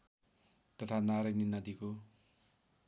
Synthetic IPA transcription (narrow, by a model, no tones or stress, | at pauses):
t̪ʌt̪ʰanaɾajninʌd̪iko